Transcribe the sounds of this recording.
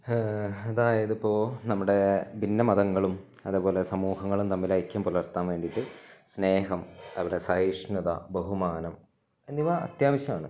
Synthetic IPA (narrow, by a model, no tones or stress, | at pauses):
ɐðaːjɐðɨpːoːnɐmːuɽe̞bʱinːɐmɐðɐŋːɐɭum | ɐðepo̞ːle̞sɐmuːɦɐŋːɐɭumt̪ɐmːilajkːɐmpulɐrt̪ːaːnʋe̞ːɳɖiʈːɨsne̞ːɦɐmɐʋiɽesɐɦiʂnud̪ɐ̰bɐɦumaːnɐm | ɐniʋaɐ̰t̪jaːmɐɕɐmaːɳɨ